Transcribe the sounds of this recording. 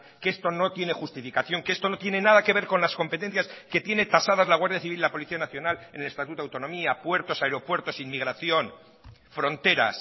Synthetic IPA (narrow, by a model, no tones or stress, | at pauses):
keest̪o̞no̞t̪je̞nexust̪ifikaθjo̞ŋkeest̪o̞no̞t̪je̞ne̞naðake̞β̞e̞ɾko̞nlasko̞mpe̞t̪en̟θjaske̞t̪je̞ne̞t̪asaðazlaɣ̞waɾðjaθiβililapo̞liθianaθjo̞nale̞ne̞le̞st̪at̪ut̪oawt̪o̞nõ̞miapwe̞ɾt̪o̞saeɾo̞pwe̞ɾt̪o̞sinmiɣ̞ɾaθjo̞n | fɾo̞nt̪e̞ɾa̰s